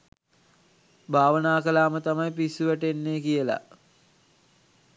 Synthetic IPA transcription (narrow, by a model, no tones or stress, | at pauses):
bʱaːʋənaːkəlaːmət̪amajpisuʋæʈenːeːkijəla̰